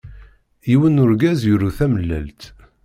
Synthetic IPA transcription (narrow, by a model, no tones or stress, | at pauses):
iwənːʊɾɡæzjʊɾuθæməlːæ̰lt̪